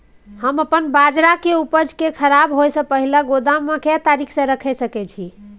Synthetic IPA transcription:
həməpənbad͡ʒɾakeupəd͡ʒkekʰəɾabɦojsə̃pəɦilaɡod̪amːẽkɛt̪aɾikʰsə̃ɾəkʰɛsəkɛt͡ʃʰi

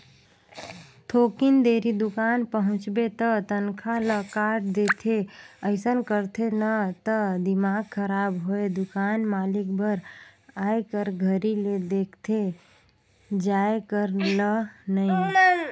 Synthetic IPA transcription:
t̪ʰoːkind̪eːɾid̪ʊkaːnpəɦʊ̃t͡ʃbet̪ət̪ənkʰaləkaʈd̪et̪ʰeəɪsənkəɾt̪ʰenət̪əd̪imaːɡ̚kʰəɾaːbɦoed̪ʊkaːnmaːlikbəɾaːjkəɾɡʱəɾiled̪ekʰt̪ʰe | d͡ʒaekəɾlənəi

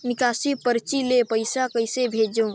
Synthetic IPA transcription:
nɪkaːsipəɾt͡ʃilepɐɪsakɐɪsebʱeːd͡ʒõː

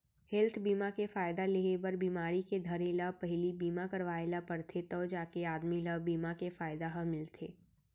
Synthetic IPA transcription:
hɛlt̪ʰbiːmakefaːɪd̪aleebəɾbiːmaːɾiked̪ʱɐɾelapɐɦɪlibiːmakɐɾʋaːelapɐɾt̪ʰet̪ɔːd͡ʒaːkeaːd̪miləbiːmakefaːɪd̪aɦəmɪlt̪ʰeː

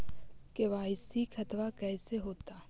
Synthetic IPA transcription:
keʋaːɪsikʰɐt̪ʋakɛːseɦoːt̪aː

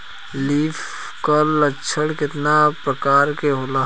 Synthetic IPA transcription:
liːfʰ | kələt͡ʃʰəɽkɪt̪napɾəkaːɾkeɦoːla

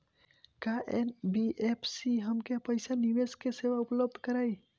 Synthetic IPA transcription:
kaʔenbiʔepʰsiɦəmkepəɪsanibeskeseʋaupləb̚d̪ʱkəɾaj

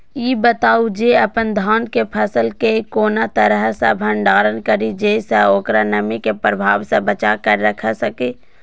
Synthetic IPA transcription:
jiːbət̪aːud͡ʒeəpənd̪ʱaːnkepʰəsəlkekoːnat̪əɾəɦsə̰bʱə̃ɳɖaːɾənkəɾid͡ʒeːsəoːkɾanɐmikepɾəbʱaːʋsẽbət͡ʃakəɾːəkʰəsəke

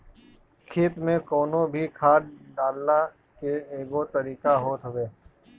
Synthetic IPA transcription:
kʰeːt̪mẽkɔːnõbʱikʰaːʈɖaːlːa | keeːɡot̪ɐɾiːkaɦoːt̪ɦəweː

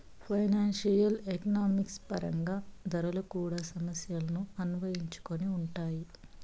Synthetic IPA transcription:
pʰɐjnaːnʃijɐlekɐnaːmikspɐ̰ɾʔɐ̰ŋɡaːd̪ɐɾɐlɐkuːɽaːsɐmɐsjɐlɐnuɐnuʋɐjiɲt͡ʃu̥koniuɳʈaːji

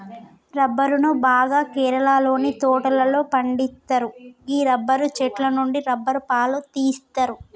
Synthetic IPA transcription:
ɾɐbːɐɾunubaːɡaːkɛːɾɐlaːlo̞ːnit̪ɔːʈɐlɐlo̞ːpɐɳɖist̪ːɐɾuiːɾɐbːɐɾut͡ʃɛʈlɐnuɳɖiɾɐbːɐɾupaːlut̪iːst̪ɐɾu

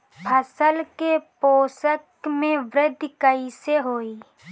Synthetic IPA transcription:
pʰəsəlkepoːsəkmẽʋɾɪd̪ʱːkəiseɦoːiː

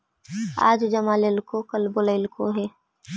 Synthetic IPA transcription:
a̰ːd͡ʒd͡ʒɐmaːlelkokɐlboləɪlkoɦɛː

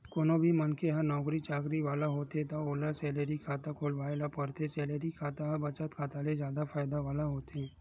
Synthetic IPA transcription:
koːnobʱimənkeɦənɔːkɾit͡ʃaːkɾiʋaːlaɦoːt̪et̪aoːlasɛːleɾikʰaːt̪akʰoːlʋaːelapəɾt̪esɛːleːɾikʰaːt̪aɦɐbɐt͡ʃət̪kʰaːt̪alezjaːd̪afʰaːɪd̪aʋaːlaɦoːt̪eɦɛ̃ː

